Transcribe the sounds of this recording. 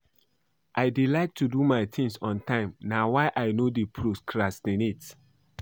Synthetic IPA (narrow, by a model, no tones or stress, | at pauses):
ʔaɪdilaɪk̚tʰudumaɪt̪ʰĩŋsɔ̃ntʰãɪ̃mnawaɪʔaɪnodipʰɹoskʰɹastĩnit